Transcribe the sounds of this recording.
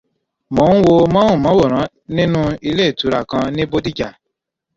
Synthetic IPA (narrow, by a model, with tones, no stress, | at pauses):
mɔ̃˨˦wo˧mã˦w̃ũ˦˨mã˨˦wo˦˨ɾ̃ã˨˦ | nĩ˦nũ˦i˧le˦˨tu˨˦ɾa˦˨kã˧nĩ˦bo˦di˦d͡ʒa˦˨